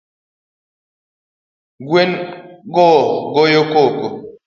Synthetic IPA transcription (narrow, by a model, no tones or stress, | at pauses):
ɡwenɡoɡojokoko